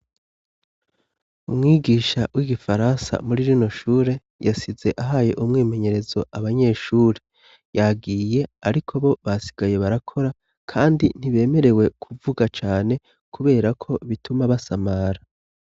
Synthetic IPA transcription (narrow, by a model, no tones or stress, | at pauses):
umŋiːɡiːʃawʔiɡifaɾansa̰muɾiɾino̞ʃuːɾe̞ | jasize̞ʔaɦaːje̞ʔumŋiːme̞ɲe̞ɾe̞zo̞ʔaβaɲe̞ːʃuːɾe | jaɡiːje̞aɾikʰo̞βo̞βasi̥ɡ̥aje̞βaɾakʰo̞ɾa | kʰaːndin̥iβe̞ːme̞ɾe̞we̞kʰuvuɡat͡ʃaːne̞ | kʰuβe̞ːɾakʰo̞βitumaβasamaɾa